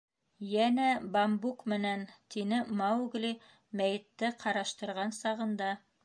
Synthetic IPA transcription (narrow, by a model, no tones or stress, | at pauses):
jænæbambukmɘ̆nænt̪inɘmɑwɡlʲi | mæjɘ̆t̪ːɘqʰɑɾɑʃt̪ɤ̆ɾʁɑnsɑʁɤ̆nd̪ɑ